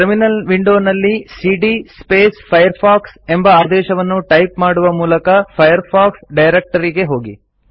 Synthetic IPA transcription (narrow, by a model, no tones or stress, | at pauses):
ɾminɐlʋiɳɖo̞ːnɐlːisiːɖispeːspʰɐjɐɾpʰaːkse̞mbɐaːd̪ɛːʃɐʋɐnːuʈɐjpmaːɽuʋɐmuːlɐkɐpʰɐjɐɾpʰaːksɖɐjɾek̚ʈɐɾiɡe̞ɦo̞ːɡḭ